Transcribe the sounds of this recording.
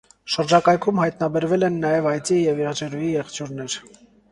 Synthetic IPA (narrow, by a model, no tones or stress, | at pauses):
ʃəɾd͡ʒɑkɑjkʰumhɑjt̪nɑbɛɾvɛlɛnːɑjɛvɑjt͡sijɛviɾɑt͡ʃɛɾujijɛχt͡ʃjuɾnɛɾ